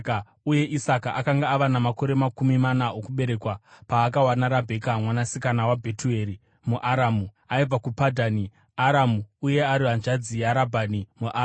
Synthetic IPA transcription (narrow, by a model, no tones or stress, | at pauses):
uje̞ʔisakaʔakaŋɡaːʋanamako̞ɾe̞makumimanaokuɓe̞ɾe̞kwapaːkawanaɾabʱe̞kamwanasikanawabʱe̞tue̞ːɾi | muʔaɾamu | aib͡vakupadʱani | aɾamuuje̞aɾiʋand͡ʒad͡zijaɾabʱanimuʔa